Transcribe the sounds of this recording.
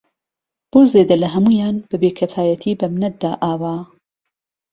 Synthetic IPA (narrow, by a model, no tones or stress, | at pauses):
b̥oːzeːd̪ɐlɐɦɐmuːjaːnb̥ɐbeːkʰɐfaːjɐt̪ʰiːbɐmnɐt̪̚d̪aːʔaːwaː